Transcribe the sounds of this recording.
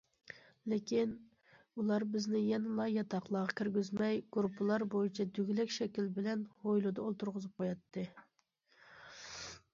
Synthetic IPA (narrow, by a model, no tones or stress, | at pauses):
lɪkʲin | ulˠɑɾbɪznɪjɛnɪlˠɑjɑt̪ʰɑqlˠɑʁɑkʲyɾɡʲyzmɛjɡ̥ɾupʰːɨlˠɑɾbojit͡ʃʰɛd̪yɡʲlɛkʲʃɛkʲilbɪlɛnhojlˠud̪ɑolˠt̪uɾʁəzɨp̚qʰojɑt̪ʰːɨ